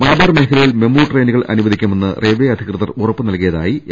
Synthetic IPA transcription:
mɐlɐbɐːrme̞ːkʰɐlɐjilme̞mːuːʈreːnuɣɐɭʔɐ̰nuʋɐd̪ʱikʲːɐme̞nːɨrʔeːʋeːɐd̪ʱikrɨðɐrurɐpːɨnɐlkijɐða̰ːji

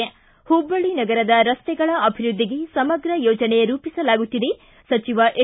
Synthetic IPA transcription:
e | hubːɐɭinɐɡɐɾɐd̪ɐɾɐst̪ɛɡɐɭɐʔɐbʱiɾud̪ʱːiɡesɐmɐɡɾɐjoːd͡ʒɐne̞ɾuːpisɐlaːɡut̪ːid̪e̞ | sɐt͡ʃiʋɐʔe

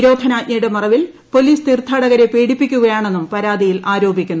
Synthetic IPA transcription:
ɾo̞ːd̪ʱɐnaːʔɲɐjɽɨmɐrɐʋil | po̞liːst̪irt̪ʰːaːɽɐɣɐɾe̞pe̞ːɽipːikʲːuɣɐjaːɳe̞nːumpɐɾaːd̪ʱijilʔaːɾo̞ːbʱikʲːunː

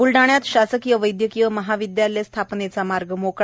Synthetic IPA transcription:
ulɖaɳ̃jat̪ɕasəkijəʋəjd̪jəkijəməɦaʋid̪jalest̪ʰapnet͡samaɾɡəmokɭ

